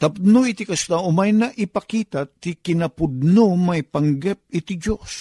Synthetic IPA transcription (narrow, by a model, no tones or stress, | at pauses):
t̪ɐp̚noit̪ikɐst̪aʊmajnaʔɪpakiːt̪at̪ikɪnɐpʊd̪̚nomajpaŋɡɛp̚ɪt̪ɪd͡ʒos